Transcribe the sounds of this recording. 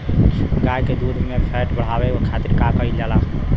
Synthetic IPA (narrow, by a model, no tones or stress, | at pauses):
ɡajked̪ud̪ʱmepʰɛʈbəɽ̤abeokʰat̪iɾkakəid͡ʒala